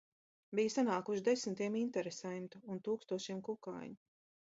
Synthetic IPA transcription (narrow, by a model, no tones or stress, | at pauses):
bijsanaːkuʃd̪esmt̪iɛmint̪ɛɾesɛjmt̪uːnt̪uːkst̪uɔʃiɛmkuka̰jm